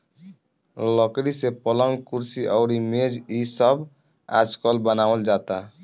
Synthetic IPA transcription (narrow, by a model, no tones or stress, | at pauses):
lɔkɾisepɔlɔŋkuɾsiʔɔwɾimed͡ʒisɔb | a̰d͡ʒkɔlbanawold͡ʒat̪a